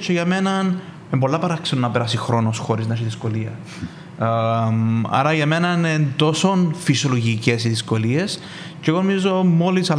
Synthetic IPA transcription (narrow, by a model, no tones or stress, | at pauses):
t͡ʃeʝɐme̞nɐn | embo̞lːɐpɐɾɐksenunːɐpeɾɐsixɾo̞nosxoɾisznɐʃiðisko̞liɐ | mɐ̰ɾɐʝɐme̞nɐinend̪o̞so̞nfisjoloʝicesiðiskolies | ceɣonomizo̞mo̞lisɐ